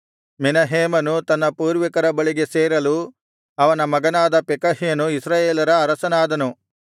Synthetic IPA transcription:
menɐɦeːmɐnut̪ɐnːɐpuːɾʋɐkɐɾɐbɐɭiɡe̞seːɾɐlu | ɐʋɐnɐmɐɡɐnaːd̪ɐpekɐɦijɐnuisɾaːjeːlɐɾɐːɾɐsɐnaːd̪ɐnu

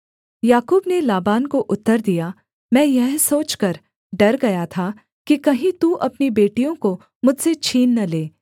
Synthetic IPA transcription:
jaːkuːbnelaːbaːnkoʔʊt̪ːəɾd̪ija | mɛ̃ːjɛɦsoːt͡ʃkɐɾ | ɖɐɾɡɐjat̪ʰa | kikɐɦĩt̪uʔɐpnibeːʈijõko | mʊd͡ʒʱset͡ʃʰiːnːɐleː

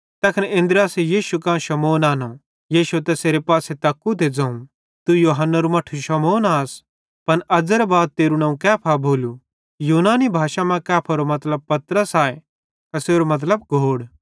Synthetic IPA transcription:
t̪ɐkʰnẽnd̪ɾaːsejiːʃukãːʃɐmoːnaːno | jiːʃut̪ɛseːɾepaːset̪ɐkːut̪ed͡zɐ̃ːũ | t̪ujoːɦɐnːɐɾumɐʈʰuʃɐmoːnaːs | pɐnɐd͡zəɾbaːd̪̚t̪eːɾunɐ̃ũkɛːpʰabʱoːlu | juːnaːnibʱaːʃamɛ̃kɛːpʰɐɾomɐt̪ləb̚pɐt̪ɾəsaːe | kɐseːɾomɐt̪̬ləbɡʱoːɽ

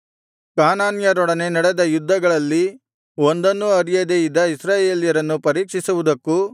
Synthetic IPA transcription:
kaːnaːnjɐɾɔɽɐne̞nɐɽed̪ɐjud̪ːɐɡɐɭɐlːi | o̞nd̪ɐnːuɐɾijɐd̪ejid̪ːɐisɾaːje̞ːljɐɾɐnːupɐɾiːkʂisuʋud̪ɐkːu

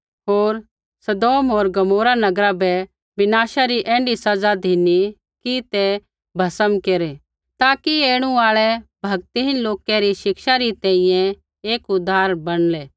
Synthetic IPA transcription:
ɦoːɾ | sɐd̪oːmɦoːɾɡɐmoːɾanɐɡɾabɛ | bɪnaːʃaɾiʔɛ̃ːɳɖisɐd͡zad̪ʱini | kit̪ɛ | bʱɐsəmkeːɾe | t̪aːkieːɽ̃ũaːɭɛbʱɐɡt̪iɦɪnloːkɛɾiʃɪkʃaɾit̪ɛ̃ːĩjɛ̃ | eːkʊd̪ʱːaːɾbɐɽ̃leː

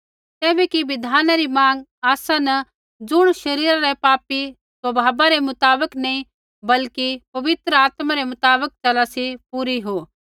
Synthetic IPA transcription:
kɛːbɛkiʋɪd̪ʱaːnaɾimãːŋɡaːsanɐ | d͡zʊɽ̃ʃɐɾiːɾaɾɛpaːpi | swɐbʱaːbaɾemʊt̪aːbəknɐĩ | bɐlkipɐʋɪt̪ɾəaːt̪mãɾemʊt̪aːbək̚t͡ʃɐlasipuːɾiɦoː

